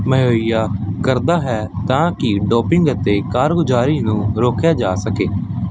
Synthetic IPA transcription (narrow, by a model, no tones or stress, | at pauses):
məɦoːijaːkəɾd̪aːɦɛː | t̪ãːkɪɖɔːpɪŋɡət̪eːkaːɾɡʊd͡ʒaːɾiːnũːɾoːkjaːd͡ʒaːsəkeː